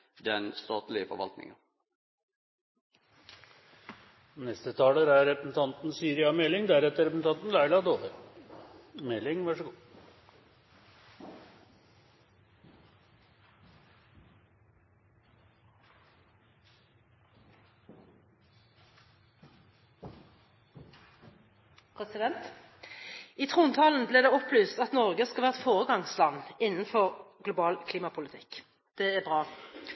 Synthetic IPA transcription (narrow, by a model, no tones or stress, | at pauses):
d̪ɛnst̪ɑːt̪lɪəfɔ̰ʋɑ̰lt̪nɪ̰ŋɑ | nɛst̪ət̪ʰɑːləɾæɾːɛpɾəsn̩t̪ʰɑnt̪nsyːɾɪɑmɛlːɪŋd̪æɾɛt̪ːəɾɛpsn̩t̪ʰɑnt̪nlæɪlɑd̪oːʋ̪ə | mɛlːɪŋʋɑʂəɡuː | pʰʁɛsɪd̪ɛnt̪ | iːt̪ʰʁuːnt̪ʰɑːln̩bleːʁd̪eːɔplyːst̪ɑt̪nɔʁɡəskɑʋæːʁt̪foːʁəɡɑŋslɑnːɪnən̩fɔʁɡlʊbɑːlkʰliːmɑpʰʊlɪt̪ʰɪk | d̪̥ɛːæːbʁɑː